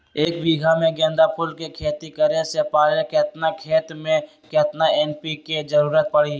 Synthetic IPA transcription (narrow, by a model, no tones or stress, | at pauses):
eːkbiːɡʱamẽɡɛ̃ːnd̪apʰʊlkekʰeːt̪ikəɾesepaːɾeket̪nakʰeːt̪mẽ | ket̪naɛːnpiked͡ʒəɾuːɾət̪̚pəɽi